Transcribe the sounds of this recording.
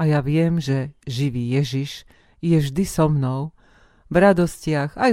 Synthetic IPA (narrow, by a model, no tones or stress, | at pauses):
ajaʋɪɛmʒɛʒiʋiːjɛʒiʃ | jɛvʒd̪isɔmnɔʊ | vɾad̪ɔscɪaɣaj